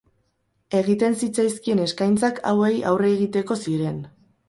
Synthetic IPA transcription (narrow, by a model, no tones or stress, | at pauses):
e̞ɣ̞it̪e̞nsit͡sajskie̞ne̞skajnt͡sakʰa̰we̞ja̰wre̞ːɣit̪e̞ko̞siɾe̞n